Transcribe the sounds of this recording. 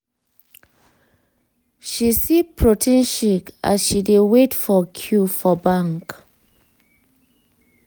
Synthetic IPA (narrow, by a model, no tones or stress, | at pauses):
ʃisipʰɹotʰɛ̃nʃika̰sʃidewetfɔkʰjufɔbãŋk